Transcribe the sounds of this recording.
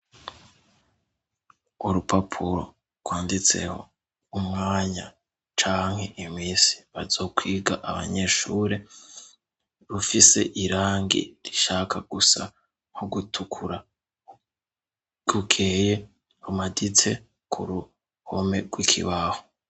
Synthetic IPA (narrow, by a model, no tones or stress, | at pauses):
uɾupʰapʰuɾo̞̰ | ɡwaːndit͡se̞̰ho̞̰ | umŋaːɲa | t͡ʃaːŋhe̞ʔimiːsi̥βazo̞kwiːɡaʔaβa̰ɲe̞ʃuːɾe̞ | ɾufise̞̰ʔiɾaːŋɡḭɾiʃaːkʰaɡ̥usa̰ | hoɡutʰukʰuɾa | ɡukʰeːje̞ | ɾumadit͡se̞ | kʰṵɾu | home̞ɡ̥wikʰḭβaho̥